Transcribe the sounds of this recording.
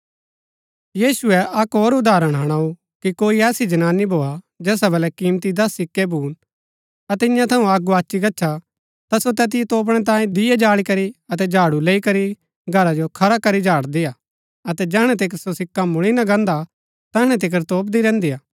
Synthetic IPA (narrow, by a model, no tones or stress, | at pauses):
jiːsʊɛʔɐkɦoːɾʊd̪aːɾəɽ̃ɦɐɽ̃aːu | kikoːiɛːsid͡ʒɐnaːnːibʱoːa | d͡ʒɛːsabɐlɛkiːmt̪id̪ɐsːɪkːɛbʱuːn | ɐt̪̬ɪjãt̪ʰɐũaːɡuaːt͡ʃːiɡɐtːt͡ʃʰʃʰa | t̪asot̪ɛːt̪̬ɪjɛt̪oːp̬ɽ̃ɛt̪̬ãːjẽd̪ɪjɛd͡ʒaːɭikɐɾiɐt̪ɛd͡ʒaːɽuleːikɐɾi | ɡʱɐɾad͡ʒokʰɐɾakɐɾid͡ʒʱaːɽd̪ɪjaː | ɐt̪ɛd͡ʒɛːɦɽ̃ɛt̪̬ekəɾsosɪkːamʊɭinɐ̃ɡɐ̃ːnd̪a | t̪ɐːɦɽ̃ɛ̃t̪̬ɪk̬əɾt̪oːp̬̚d̪iɾɛ̃ːnd̪ijaː